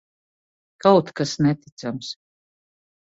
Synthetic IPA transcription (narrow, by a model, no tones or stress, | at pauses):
kawt̪kasnɛt̪it̪sams